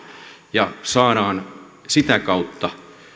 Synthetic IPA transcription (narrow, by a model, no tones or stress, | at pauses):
jɑsɑːɾɑːn | sit̪ækɑut̪ːɑ